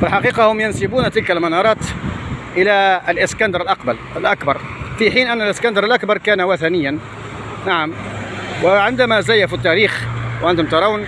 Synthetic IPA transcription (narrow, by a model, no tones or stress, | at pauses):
fɪlħɑqiːqɑhʊmjʊnsɪbuːnt̪ɪlkalmɑnɑɾˤɑːt̪ʔəlalʔɪskænd̪ɑɾˤəlʔɑqbɑl | əlʔakbɑɾˤ | fiħiːnʔænːəlʔɪskænd̪ɑɾˤəlʔakbɑɾˤkæːnawaθænɪjːan | naʕamwɪʕɪnd̪amazajafit̪ːæɾiːxwʕɪnt̪ʊmt̪ɑɾˤɑwn